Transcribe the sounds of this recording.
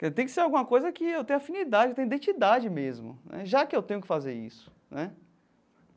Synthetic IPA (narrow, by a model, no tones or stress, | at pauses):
kt̪ẽj̃kɪseɾawɡũmɐkojzɐkɪewt̪ẽj̃afĩnid̪ad͡ʒɪewt̪ẽid̪ẽt͡ʃid̪ad͡ʒɪmezmʊ̰nɛ̰ʒakɪewt̪ẽjʊkɪfazeɾḭsʊ̥ | nɛ